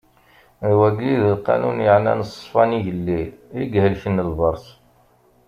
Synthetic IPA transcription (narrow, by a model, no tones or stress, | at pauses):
wæɡlːiðəlqːɑ̰nunjəʕnæ̰nəsˤfɑniʝəlːiiɡhəlçənːəlvəɾˤs